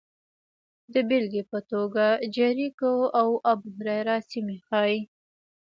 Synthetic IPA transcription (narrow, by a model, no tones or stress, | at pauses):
d̪əbɪlɡepət̪oɡad͡ʒaɾikoawabʊhɾaɾɑsimexɑjj